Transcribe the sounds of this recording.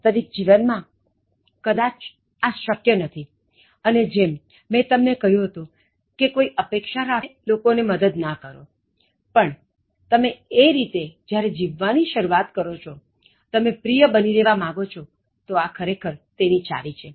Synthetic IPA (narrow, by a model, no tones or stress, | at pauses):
t̪əʋik̚d͡ʒiʋənmã | kəd̪at͡ʃ | aʃəkjənət̪ʰi | əned͡ʒemː | ɛ̃t̪əmnekəɦjũɦət̪ũ | kekoiʔəpekʃaɾalokoneməd̪əd̪nakəɾo | pəɳ | t̪əmeeɾit̪ed͡ʒjaɾed͡ʒiʋːaniʃəɾuat̪kəɾot͡ʃʰo | t̪əmẽpɾijəbənileʋamãɡot͡ʃʰo | t̪oakʰəɾekʰəɾt̪enit͡ʃa̰lit͡ʃʰe